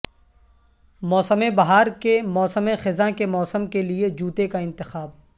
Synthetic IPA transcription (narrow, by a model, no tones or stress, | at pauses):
mɔːsəmẽbɐɦaːɾkemɔːsəmẽxɪzãkemɔːsəmkelied͡ʒuːt̪ekaɪ̃nt̪ɪxaːb̚